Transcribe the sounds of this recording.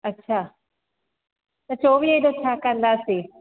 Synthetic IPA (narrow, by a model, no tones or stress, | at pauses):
ətːʃʰaː | t̪ɐt͡ʃoːʋiːəd̪ot͡ʃʰaːkəɾənd̪aːsiː